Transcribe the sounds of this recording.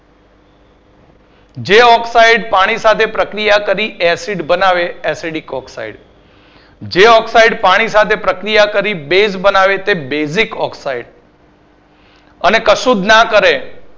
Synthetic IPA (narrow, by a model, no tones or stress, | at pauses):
d͡ʒeɔksaiɖpaɽ̃isat̪ʰepɾəkɾijakəɾiɛsiɖbənaʋeesiɖikɔksa̰ḭɖ | d͡ʒeɔksaiɖpaɽ̃isat̪ʰepɾəkɾijakəɾibesbənaʋet̪ebezikɔksaiɽ | ənekəʃud̪nakəɾe